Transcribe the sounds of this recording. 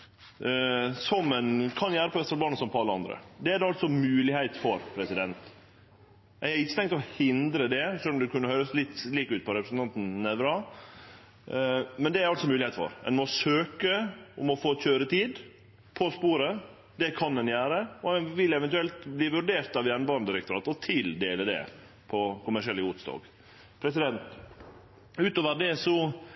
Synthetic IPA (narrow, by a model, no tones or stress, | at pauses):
sɔmɛnkʰɑnjæːɾəpʰɔʋɛsɑlbɑːnəsɔmpɔɑlːəɑ̰nd̪ɾə̰d̪ɛædɑlt̪sɔmʉːlɪhæɪt̪fɔɾpʰɾɛsɪd̪ɛnt̪ | ɛɡhɑɾɪçːət̪ʰɛŋkt̪ɔhɪnd̪ɾəd̪ɛʂœlːɔmd̪ɛkʉnːəhœʏɾəslɪt̪ːliːkʉːt̪̚pʰɔɾɛpɾəsn̩t̪ɑnt̪n̩nɛʋɾɑ | mɛnd̪ɛæɾɑlsɔmʉːlɪhɛɪt̪fɔ̰ɾɛ̰nmɔsøːkəɔmɔfoːc͡çøːɾət̪ʰiːd̪ | pʰɔspuːɾə | d̪ɛkʰɑnd̪ɛnjæːɾəɔɛnʋɪlɛʋɛnt̪ʉɛlt̪bliːʋʉɾɖeːɾt̪ɑʋjænbɑɾnd̪ɪɾɛk̚t̪ʊɾɑːt̪ɔt̪ʰɪld̪eːləd̪ɛ̰ | pʰɔkʰʊmæʂɪɛlːəʊt̪sd̪ɑ̰ːɡ | pʰɾɛsɪd̪ɛnt̪ | ʉːt̪oːʋəɖ̪ɛsɔ